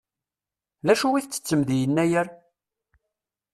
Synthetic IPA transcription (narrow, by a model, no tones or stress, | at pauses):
ðæʃuwiθt͡sːə̥t͡sːəmðjənːæjəɾ